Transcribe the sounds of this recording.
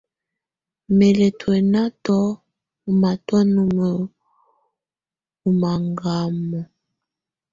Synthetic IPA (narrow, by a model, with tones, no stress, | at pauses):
me˨le˨twɛ˨na˦tɔ˦ | u˨ma˨twɔ˦nu˦mə˨ | u˨ma˨ŋɡa˦mɔ˨